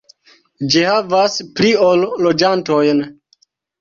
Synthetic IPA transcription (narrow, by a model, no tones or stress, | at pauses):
d͡ʒihavaspɾiolːod͡ʒantojn